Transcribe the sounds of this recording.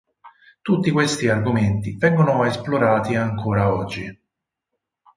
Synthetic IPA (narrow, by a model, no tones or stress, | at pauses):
t̪ut̪ːikwest̪iarɡument̪ivɛŋɡonoesploɾaːt̪iaŋkoːɾaɔd͡ʒːi